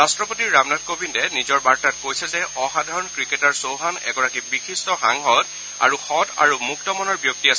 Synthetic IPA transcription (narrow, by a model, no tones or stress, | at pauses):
ɹastɹɔpotiɹːamnatkobindɛnizɔɹbaɹtat̚kojsɛzɛʔɔxadʱaɹɔnkɹiketaɹsowɦanɛ̰ɡɔɹakibixistɔxa̰ŋɦɔt | a̰ɹuxɔta̰ɹumuktɔmɔnɔɹbjɔk̚tiasɛ